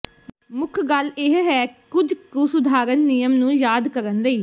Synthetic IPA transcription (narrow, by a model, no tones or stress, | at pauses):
mʊkʰɡəlɪɦɦɛːkʊd͡ʒkusʊd̪ʱaːɾənːɪjəmnũːjaːd̪kəɾənləiː